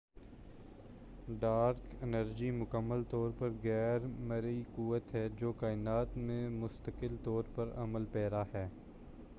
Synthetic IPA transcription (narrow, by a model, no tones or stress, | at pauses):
ɖaːɾkɪnəɾd͡ʒimʊkəmːəlt̪ɔːɾpɐɾɣɛːɾməɾikuːʋət̪ɦɛd͡ʒoːkaːɪnaːt̪mẽmʊst̪əkɪlt̪ɔːɾpɐɾɐ̰məlpɛːɾaɦɛː